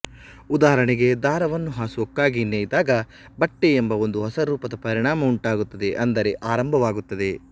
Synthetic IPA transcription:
ud̪aːɦɐɾɐɳiɡe̞d̪aːɾɐʋɐnːuɦaːsuokːaːɡineːjd̪aːɡɐ | bɐʈːeembɐo̞nd̪uɦɐsɐɾuːpɐd̪ɐpɐɾiɳaːmɐuɳʈaːɡut̪ːɐd̪e̞ʔɐnd̪ɐɾe̞ʔaːɾɐmbʱɐʋaːɡut̪ːɐd̪e̞

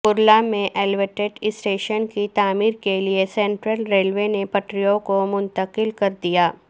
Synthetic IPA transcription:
ʊɾlamẽʔɛːlʋeʈeɖɪsʈeːʃənkit̪aːmiːɾkeliesɛ̃ːɳʈɾəlɾeːlʋenepɐʈɾijõkomʊ̃nt̪əqɪlkɐɾd̪ijaː

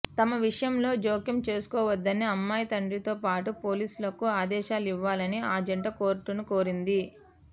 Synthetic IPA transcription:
t̪ɐmɐʋiʂɐjɐmlo̞ːd͡ʒoːkjɐmt͡ʃe̞ːsu̥kɔːʋɐd̪ːɐniɐmːaːjɐt̪ɐɳɖit̪o̞ːpaːʈupo̞ːliːsulɐkuaːd̪ɛːʃaːliʋːaːlɐniaːd͡ʒɐɳʈɐkoːɾʈunuko̞ːɾind̪i

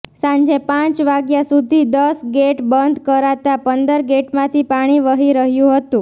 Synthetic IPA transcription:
sãnd͡ʒepãt͡ʃʋaɡjasud̪ʱid̪əsɡeʈbənd̪ʱkəɾat̪apənd̪əɾɡeʈmãt̪ʰipaɽ̃iʋəɦiɾəɦjũɦət̪ũ

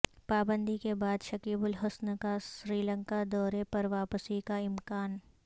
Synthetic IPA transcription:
paːbə̃nd̪ʱikebaːd̪ʃɐkiːbʊlɦʊsnkasɾiːlə̃ŋkad̪ɔːɾepɐɾʋaːpəsikaɪmkaːn

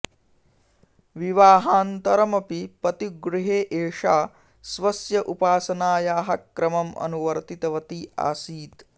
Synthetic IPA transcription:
ʋiʋaːɦaːnt̪ɐɾɐmɐpipɐt̪iɡɾuɦeːʔeːʂaː | sʋɐsjɐʔupaːsɐnaːjaːɦɐkɾɐmɐmɐ̰nuʋɐɾt̪it̪ɐʋɐt̪iːʔa̰ːsiːt̪

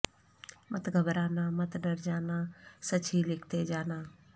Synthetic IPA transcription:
mət̪ɡʱəbɾaːnãːmət̪ɖəɾd͡ʒaːnãːsət͡ʃʰiːlɪkʰt̪eːd͡ʒaːnãː

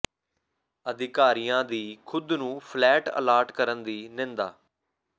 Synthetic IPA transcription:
əd̪ɪkaːɾiːãːd̪iːkʰʊd̪nũːpʰlɛːʈə̰laːɾʈkəɾənd̪iːnẽːnd̪a̰ː

